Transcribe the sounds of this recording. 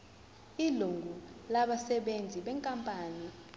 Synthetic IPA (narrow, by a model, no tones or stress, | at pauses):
iluŋɡʱulaɓasɛɓend͡zʱiɓɛŋkʼampʼaːni